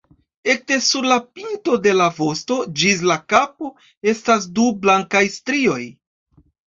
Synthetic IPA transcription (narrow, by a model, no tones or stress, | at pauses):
e̞k̚te̞suɾlapinto̞de̞lavo̞sto̞d͡ʒis̬lakapo̞ | e̞stas̬dublaŋkajstɾio̞j